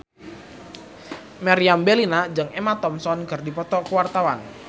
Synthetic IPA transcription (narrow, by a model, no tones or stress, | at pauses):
maɾiambelinad͡ʒəŋemat̪ɔmsɔnɡə̤rdipɔt̪ɔkəwart̪awan